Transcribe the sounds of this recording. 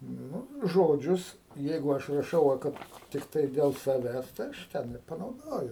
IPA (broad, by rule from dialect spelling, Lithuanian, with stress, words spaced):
ˈnʊ ˈʒoːd͡ʒʲʊs ˈjɛɪɡʊ ˈɐʃ rɐˈʃɐʊ ʋɐ ˈkɐt tʲɪkˈtɐɪ ˈdʲɛlˠ sɐˈʋʲæːs tɐɪ ˈɐʃ ˈtʲɛn ɪr pɐnɐʊˈdoːjʊ